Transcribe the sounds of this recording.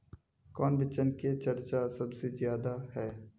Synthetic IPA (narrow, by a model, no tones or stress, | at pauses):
kɔːnbɪt͡ʃənket͡ʃɐɾt͡ʃasɐbsezjaːd̪ahɛː